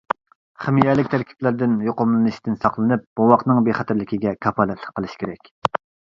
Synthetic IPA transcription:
χɪmijɛlɪkʲt̪ʰæɾkʲʰi̥plæɾd̪ɪnjoqʊmlˠɨnɨʃt̪ʰɪnsɑqlˠɨnɨp̚b̥uwɑqnɨŋbeχɛt̪ʰɪɾlɪkʲiɡʲɛkʰɑpʰɑlˠɛt̪ʰlˠə̥qʰːəlˠɨʃkʲʰeɾɛkʲ

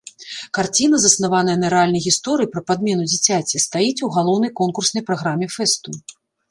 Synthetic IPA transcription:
kart͡sʲin̪ɐzɐsnavan̪ɐjɛnɐɾɛalʲnɐjɣʲist̪ɔɾɨipɾɐpad̪mʲɛnud͡zʲit͡sʲat͡sʲist̪ajit͡sʲuɣalˠɔwnɐjkɔnkursnɐjpɾaɣɾamʲɛfɛst̪u

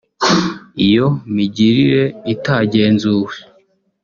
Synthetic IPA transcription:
ijo̞miɟiɾiɾe̞itaɟe̞ːnzuwe

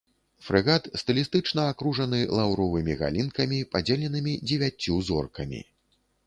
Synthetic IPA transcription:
fɾɨɣat̪st̪ɨlʲist̪ɨt͡ʂnɐakɾuʐɐn̪ɨlˠawɾɔvɨmʲiɣa̰lʲinkɐmʲipad͡zʲelʲɛnɨmʲid͡zʲɛvʲat͡sʲːuzɔ̰rkɐmʲḭ

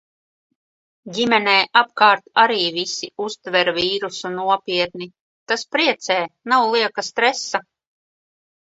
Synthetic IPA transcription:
ɟʲimɛnɛːʔap̚kaːɾt̪aɾiːvisiust̪vɛɾviːɾusunuɔpʲiɛt̪̚ni | t̪aspɾiɛt̪sɛːnawlˠiɛkast̪ɾɛsa

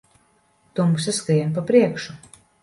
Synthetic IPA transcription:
t̪uɔmusaskɾijamp̬apɾiɛkʃu

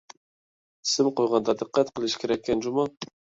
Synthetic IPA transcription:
sɪmqojʁɑnd̪ɑd̪ɨqːæt̪qʰəlˠɪʃkʰʲeɾɛkʲʰːɛnd͡ʒumɑ

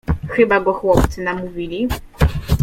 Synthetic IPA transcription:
xɘbaɡɔxwɔpt̪ɘnamuvʲilʲi

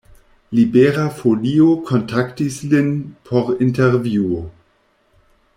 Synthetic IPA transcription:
libeɾafoliokʰontʰaktislinpʰoɾinteɾvjuo

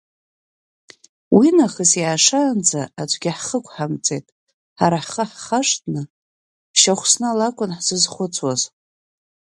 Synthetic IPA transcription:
winaχəsjaːʂand͡zaat͡ʃʷʼɡʲɪħχəkʷʼʰħamt͡sʼe̞jtʼ | ħaɾaħχəħχaʂtʰʼnɨ̥ | ʃaχʷsnɨalakʷʼʊnħzɨzχʷʊt͡sʰwaz

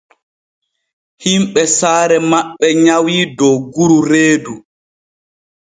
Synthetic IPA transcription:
himɓɛsaːɾɛmaɓːɛɲawiːdɔwɡuɾuɾeːdu

